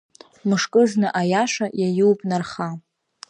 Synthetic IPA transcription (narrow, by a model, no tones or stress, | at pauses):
mɨʂkʼɨznɨʔajaʂajajuwpʼnarχa